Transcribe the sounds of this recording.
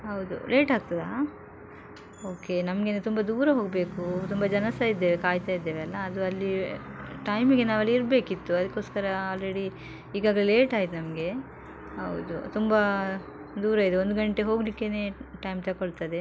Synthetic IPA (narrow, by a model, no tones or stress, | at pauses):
ɦɐwd̪ṵleːʈɦaːɡ̚t̪ɐd̪a | oːke̞nɐmɐɡenːt̪umbɐd̪uːɾɐɦo̞ːɡɐbe̞ːkut̪umbɐd͡ʒɐnɐsaid̪ːeːʋekaːjt̪ajid̪ːeːʋeɐlːɐːd̪uɐlːiʈɐjmiɡe̞naːʋɐlːiiɾbe̞ːkit̪ːuɐd̪ɐkːo̞ːskɐɾɐaːlɾeɽi | iːɡaːɡɐlele̞ːʈaːɡit̪ːenɐmɐɡe̞ | ɦɐ̰wd̪ṵt̪umbɐ | d̪uːɾɐid̪eond̪uɡɐɳʈeɦo̞ːɡlikːeneːʈɐjmt̪ɐkoɭt̪ɐd̪e̞